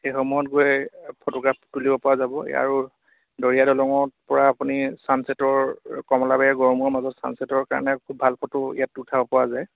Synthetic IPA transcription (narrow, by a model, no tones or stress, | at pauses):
xejxɔmuɦɔtɡoɛpʰotɔɡɹapʰtulibɔpɔwazabɔa̰ɹu | dɔɹijadɔlɔŋɔpɔɹaːpunisansetɔɹkɔmɔlabɛɛɡɔɹmɔɹmazɔtsa̰nsɛtɔɹka̰ɹɔ̰nɛkʰubʱalpʰɔtɔḭjatutʰabɔpɔwazaj